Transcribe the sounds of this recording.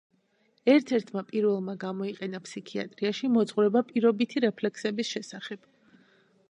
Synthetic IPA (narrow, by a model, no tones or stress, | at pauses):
ɛɾt̪ʰɛɾt̪ʰmapʼiɾvɛlˠmaɡamɔiqʼɛnapʰsikʰia̰t̪ʼɾiaʃimɔt̪sʼχuɾɛbapʼiɾɔbit̪ʰiɾɛpʰlɛksɛbisʃɛsaχɛb̥